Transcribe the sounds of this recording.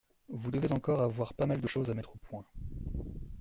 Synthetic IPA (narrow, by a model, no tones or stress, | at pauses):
vud̪əvezɑ̃kɔʁavwaʁpamald̪əʃozamɛt̪χopwɛ̃